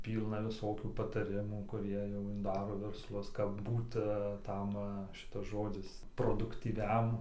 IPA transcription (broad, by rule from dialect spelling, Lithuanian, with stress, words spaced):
ˈpʲiːlˠnɐ ʋʲɪˈsoːkʲuː pɐtɐˈrʲɪmuː kʊˈrʲiɛ jɛʊ nʊ ˈdɑːroː ʋʲɛrsˈlˠʊs kɐp ˈbuːtɐ ɐ ˈtɐm ˈʃʲɪtɐs ˈʒoːd͡zʲɪs proːdʊktʲiːˈʋʲɛm